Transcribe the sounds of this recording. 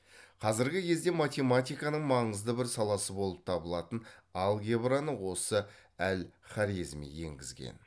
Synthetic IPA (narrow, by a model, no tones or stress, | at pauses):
qʰɑzɪɾɡʲɪkʲʰe̞zd̪e̞mat̪ʲe̞mat̪ʲijkɑnəɴmɑɴəzd̪əbɪɾsɑlˠɑsəbo̞lˠəp̚t̪ʰɑbəlˠɑt̪ənɑlˠɡʲebranəwo̞səælχɑɾizmḭje̞̰ŋɡʲɪzɡʲḛn